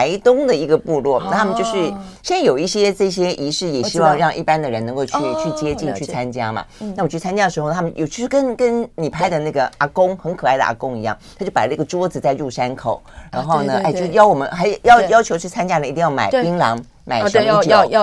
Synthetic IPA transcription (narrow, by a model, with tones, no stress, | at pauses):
a˧˥ɪt̪ʊ˥ŋd̪ə˨i˧˥ɡə˧pu˥˧lwɔ˥˩na˥˩t̪ʰa˥mə˨˧jo˥˧ʂɻ̩˥˩ɕɛ˥njo˨˩ʊi˥˩ɕjɛ˥ʈ͡ʂɤ˥˩ɕjɛ˥ʔi˧˥ʂɻ̩˥˩jɛ˨˩ɕi˥wɑ˥˧ŋɻɑ˥˧ŋʔḭ˥˩pa˥nd̪ə˨ɻə˧˥nɤ˧˥ŋko˥˧ʊt͡ɕy˥˧t͡ɕʰy˥˩t͡ɕjɛ˥t͡ɕi˥˧nt͡ɕʰy˥˩t͡sʰa˥nt͡ɕja˥mɐ̰˨˩na˥˩wt͡ɕʰy˥˩t͡sʰa˥nt͡ɕja˥d̪ə˩ʂɻ̩˧xo˥˩˧tʰa˥mə˨njo̰˨˩t͡ɕʰi˧˥ʂɻ̩˥˩kə˥nkə˥nni˨˩pʰa˥˩ɪd̪ə˨na˥˩ɡə˩a˧˩kʊ˥ŋxə˧˥nkʰɤ˨˩a˥˩ɪd̪ə̰˨ʔa̰˧˩kʊ˥ŋi˧˥jɑ˥˩ŋtt̪ʰt͡ɕo˥˩ʊpa˨˩lə˦˥ɡə˩ʈ͡ʂwɔ˥d͡z̩˨˩t͡sa˥˧ɪɻu˥˩ʂa˥nkʰo˨˩˦ʊɻa̰˧˥nxo˥˩ʊnə˩ʔa˥˩o˥˧ʊʂɻ̩˥˧jɑ˥˩ʊwɔ˨˩mə˦nxa˧˥ɪ˨˩jɑ˥˩ʊjɑ˥ʊt͡ɕʰjo˧˥ʊt͡ɕʰy˥˩t͡sʰa˥nt͡ɕja˥ə˨˩i˧i˥˧jɑ˥˩ʊma̰˨˩ɪpi˥ŋlɑ˧˥ŋ | ma̰˨˩ɪʂ